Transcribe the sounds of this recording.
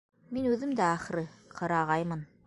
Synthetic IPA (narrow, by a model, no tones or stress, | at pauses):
minʉðɘmd̪æːχ̆ɾɘqʰɤ̆ɾɑʁɑjmɤn